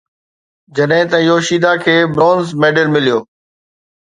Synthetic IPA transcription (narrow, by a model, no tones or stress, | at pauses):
d͡ʑɐɗɦɪ̃t̪ɐ̃joːʃiːd̪akʰeːbɾoːnzmeːɖəlmɪlijoː